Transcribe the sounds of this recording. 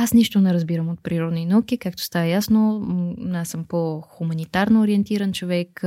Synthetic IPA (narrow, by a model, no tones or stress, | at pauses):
asniʃt̪onɛɾɐzbiɾəmot̪̚pɾiɾɔd̪ninəuk̟ikakt̪o̥st̪avəjasno | asəmpoxumɐnit̪aɾnoːɾiɛnt̪iɾɐnt͡ʃovɛk